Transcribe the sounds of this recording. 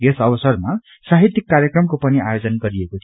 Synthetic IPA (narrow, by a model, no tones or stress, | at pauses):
esʌbʌsʌrma | saɦit̪ːikːarjʌkrʌmkopʌniajod͡zʌnɡʌɾiekot̪ʰ